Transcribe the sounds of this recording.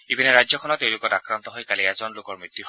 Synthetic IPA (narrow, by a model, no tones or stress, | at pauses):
ibinɛɹajd͡ʒzɔkʰɔnɔtːew̃lʊkɔtakɹant̪ɔɦojkaliɛzɔnlʊkɔɹmɹit̪ːuɦ